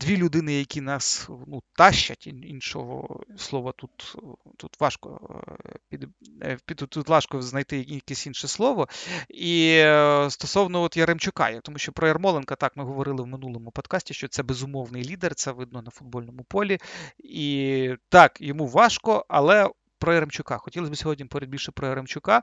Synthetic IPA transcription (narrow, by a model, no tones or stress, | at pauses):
d̪̥ʋʲilʲʊd̪ɪnɪjɐkʲinɑsnut̪ɑʃt͡ʃɐ̰tʲininʃɔ̰ɦɔ̰slˠɔʋɔt̪ut̪t̪ut̪ʋɑʃkɔ̰pʲid̪ | pʲid̪t̪ud̪lˠɑʃkɔznɐjt̪ɪjɐjɐkɛsʲinʃɛslˠɔʋɔi | st̪ɔsɔwnɔɔt̪jɐɾemt͡ʃʊkɑ̰jɐkt̪ɔmuʃʲt͡ʃɔpɾɔɛrmɔlˠenkɐt̪ɑkmɪɦɔʋɔɾɪlˠɪwmɪnulˠɔmʊpɔd̪kɑsʲtʲiʃt͡ʃɔt̪sɛbezʊmɔʋnɪjlʲid̪ɛrt̪sɛʋɪd̪̚nɔnɐfʊd̪̚bɔlʲnɔmʊpɔlʲiit̪ɑkjɔmuʋɑʃkɔɐlˠɛ | pɾɔɛɾemt͡ʃʊkɑxɔtʲilˠɐsʲbɪsʲɔɦɔdʲnʲimpɔɾʲɛɐd̚ʲbʲilʲʃɛpɾɔɛɾemt͡ʃʊkɑ